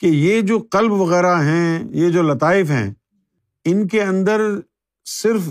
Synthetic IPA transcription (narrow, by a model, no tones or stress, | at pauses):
kejed͡ʒoːqɐlbʋɐɣɛːɾaɦɛ̃jed͡ʒoːlɐt̪aːɪfɦɛ̰̃ː | ɪnk̬eɐ̃nd̪əɾ | sɪɾf